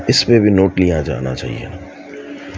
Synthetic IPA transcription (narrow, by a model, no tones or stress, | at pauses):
ɪspebʱinoːʈlijad͡ʒa̰ːna̰t͡ʃa̰ːɦḭḛna